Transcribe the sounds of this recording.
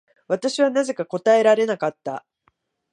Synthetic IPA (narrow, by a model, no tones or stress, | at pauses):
β̞at̪aɕiβanaze̞kako̞t̪ae̞ɾaɾe̞nakat̪ːa̰